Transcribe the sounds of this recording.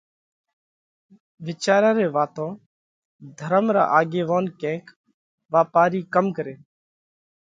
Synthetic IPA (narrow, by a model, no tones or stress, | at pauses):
ʋɪt͡ʃaːɾãːɾeːʋaːt̪õː | d̪ʱəɾəmɾa̰ːʔaːɡeːʋoːnkɛ̃ːk | ʋaːpaːɾiːkəmkəɾeː